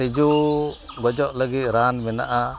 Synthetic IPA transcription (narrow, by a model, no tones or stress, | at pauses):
id͡ʒu | ɡɔd͡ʒɔʔləɡit̪̚ˀɾanmɛna̰ʔa